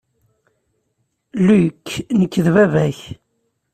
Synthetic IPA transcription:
lukʰːnəkːðvævæç

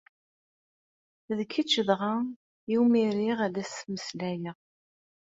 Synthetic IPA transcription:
ðəkʰːit͡ʃːəðʁa | jiwmiɾiʁæðæsməslæjəʁ

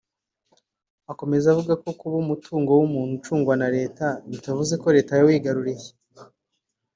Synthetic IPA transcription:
ako̞me̞zavuɡako̞kuβumutʰuːŋɡo̞wumuːn̥hut͡ʃuːŋɡwanaɾe̞ːtaβitavuze̞ko̞ɾe̞ːtajawiːɡaɾuɾeje

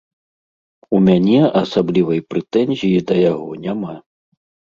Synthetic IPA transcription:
umʲanʲɛasablʲivɐjpɾɛt̪ɛnʲzʲijid̪ɐjaɣɔnʲama

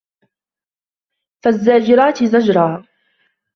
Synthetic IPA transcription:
fazːaːd͡ʒɪɾaːt̪ɪzad͡ʒɾˤɑː

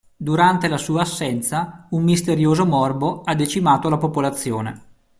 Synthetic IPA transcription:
d̪uɾant̪elasuːaːsːɛnt̪saumːist̪eɾjoːzomɔrboad̪ːet͡ʃimaːt̪olapopolat̪sːjo̰ːnḛ

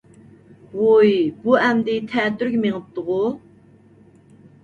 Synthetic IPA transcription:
wojbuɛmd̪ɪt̪ʰɛːt̪yɾkʲmeŋəp̚t̪əʁʊ

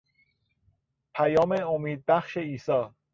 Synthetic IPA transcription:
pʰæjɒːmeomiːd̪̚bæxʃeiːsɒː

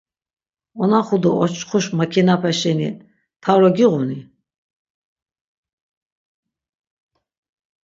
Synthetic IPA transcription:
ɔnaχud̪ɔʔɔt͡ʃχuʃmakʰinapʰɛʃɛnḭ | t̪ʰaɾɔɡiʁuni

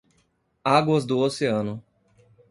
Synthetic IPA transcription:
aɡwɐzd̪ʊoseɐ̃nʊ

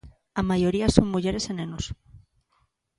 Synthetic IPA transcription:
amajoɾiasoŋmuʝeɾesenẽnos

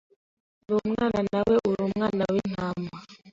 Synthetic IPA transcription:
lumŋananawɛʔuɾumŋanawin̥ama

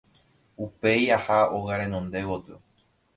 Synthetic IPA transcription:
upe̞jahaoɣaɾẽnõnd̪e̞wot̪ɨ

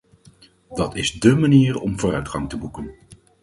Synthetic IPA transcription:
dɑtɪzdəmaniːrɔ̰mvʊːrœɥtχɑŋtəbukən

